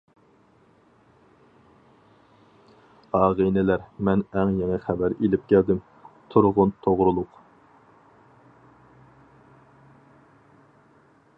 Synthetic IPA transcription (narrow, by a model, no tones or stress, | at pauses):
ɑːʁinɪlæɾmɛnɛŋjɛŋɛχæbæɾelɪp̚kʲʰæld̪ɪm | t̪ʰuɾʁʊnt̪ʰoʁɾulˠʊq